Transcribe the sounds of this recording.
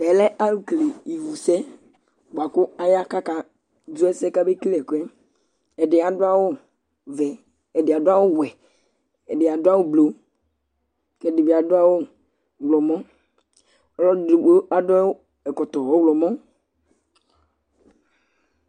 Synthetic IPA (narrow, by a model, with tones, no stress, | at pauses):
ɛ˨lɛ˦ʔa˦lu˨kle˨i˨vu˨sɛ˦ | bʊ˨a˨kʊ˦a˦ja˦ka˦ka˨ | du˦ɛ˦sɛ˦ka˦be˦klɛ˨kɛ˦ | ɛ˨ɖɪ˨a˨dʊ˦a˦wo˦ | vɛ˨ | ɛ˨dɪ˨a˨dʊ˦a˦wo˦wɛ˨ | ɛ˨ɖɪ˨a˨dʊ˦a˦wo˦blo˨ | kɛ˨dɪ˨be˨a˨dʊ˦a˦wo˦ | ɡlɔ˨mɔ̃˦ | ɔ˦lɔ˦di˨o˦a˦dʊ˦a˦wo˦ | ɛ˨kɔ˨t̪ɔ˨wo˦wlɔ˨mɔ̃˦